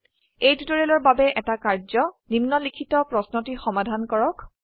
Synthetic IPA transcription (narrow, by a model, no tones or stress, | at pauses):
ejtutɔɹɛlɔɹbabɛʔɛtakaɹzɔnimnɔlikʰitɔpɹɔsnotixɔmadʱankɔɹɔk